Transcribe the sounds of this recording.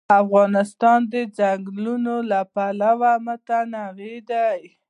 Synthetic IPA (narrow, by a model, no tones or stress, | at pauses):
afɣɑnɪst̪ɑnd̪əd͡zaŋɡlunolapalawamət̪anaɣed̪aj